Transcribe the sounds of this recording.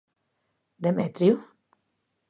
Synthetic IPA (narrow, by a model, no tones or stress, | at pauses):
d̪ɛmɛːt̪əɾjuː